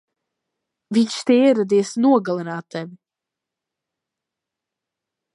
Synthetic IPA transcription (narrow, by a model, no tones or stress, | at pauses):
viɲʲʃt̪eiɛɾad̪iɛsnuɔɡalˠɛnaːt̪ːɛvʲ